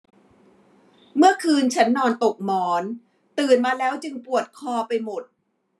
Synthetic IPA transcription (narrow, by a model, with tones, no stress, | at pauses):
mɯ˥˩ɐkʰɯː˧nt͡ɕʰa˦˥nːɔː˧nt̪o˨˩k̚mɔː˩˦n | t̪ɯː˨˩nmaː˧lɛː˦˥wt͡ɕɯ˧ŋpu˨˩ət̪̚kʰɔː˧pa˧jmo˨˩t̪̚